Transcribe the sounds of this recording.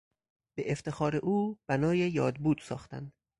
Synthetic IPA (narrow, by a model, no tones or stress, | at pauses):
b̥eʔeft̪e̞xɒːɾeʔuːb̥ænɒːjejɒːd̪buːd̪̥sɒ̰ːxt̪æ̰nd̪̥